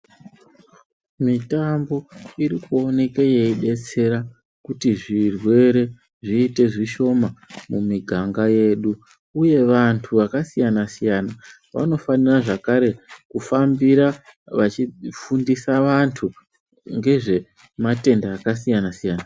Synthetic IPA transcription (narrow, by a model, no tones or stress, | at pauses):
mitambo̞iɾikuo̞ne̞keje̞iɗe̞t͡se̞ɾa | kutiʐirwe̞ɾe̞ | ʐiːte̞ʐiʃo̞mamumiɡʱaŋɡaje̞ɗu | uje̞ʋantʰuʋakasijanasijana | ʋa̰no̞faniraʐakaɾe̞kufambiɾaʋat͡ʃifundisaʋantʰu | ŋɡe̞ʐe̞ | mate̞ndaːkasijanasijaːna